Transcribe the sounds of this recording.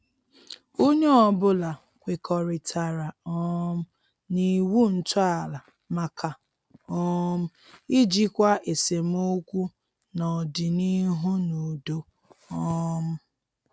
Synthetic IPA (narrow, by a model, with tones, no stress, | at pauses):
o˦ɲe˦ɔ˨bʊ˦la˨ | kʷe˨kʰɔ˨ɾɪ˨tʰa˨ɾa˨ɔ˦m̩˦ | ni˨wu˦n̩˨ta˨la˨ | ma˨kʰa˨ | ɔ˦m̩˦i˦d͡ʒi˦kʷa˦ʔe˨se˨m˦o˦kʷu˦ | nɔ˨dɪ˨ni˦ɦu˦nu˨do˦ | ɔ˦m̩˦